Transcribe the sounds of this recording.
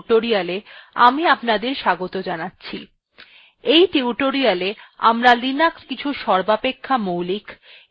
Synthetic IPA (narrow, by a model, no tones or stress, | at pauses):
ʈoɾijaleamiapnad̪eɾʃaɡot̪od͡ʑanatːɕʰi | ejʈiuʈoɾialea̰mɾalinakskit͡ɕʰuʃɔɾbapekʰːamowlik